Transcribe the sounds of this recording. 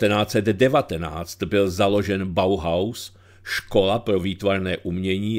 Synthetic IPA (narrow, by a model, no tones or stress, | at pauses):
t̪ɛnaːt͡sɛd̪dɛvat̪ɛna̰ːt͡st̪bɪlzalo̞ʒɛnbawɦaws | ʃko̞lapɾo̞viːt̪vaɾnɛːʔumɲɛɲiː